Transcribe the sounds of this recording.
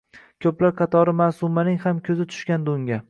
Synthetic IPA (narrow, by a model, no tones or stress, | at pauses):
kʲʰɵplaɾqʰɑt̪ʰɒɾɪmasʊmanɪŋhamkʲʰɵzɪt̪ʰʊ̥ʃkʲand̪ʊŋɡʲa